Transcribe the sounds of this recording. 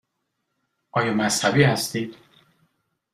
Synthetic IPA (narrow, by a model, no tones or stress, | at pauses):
ʔɒːjɒːmæshæbiːhæst̪iːd̪̥